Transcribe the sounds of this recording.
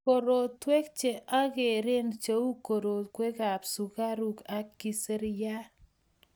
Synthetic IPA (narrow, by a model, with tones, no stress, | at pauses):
ko˨ɾo˨twe˦k̚t͡ʃe˨ʔa˦ɡe˨ɾe˦nt͡ʃe˦u˦ko˨ɾo˨tkwe˦ka˨psu˨ka˦ɾu˦ka˨ki˦˨se˦ɾja˦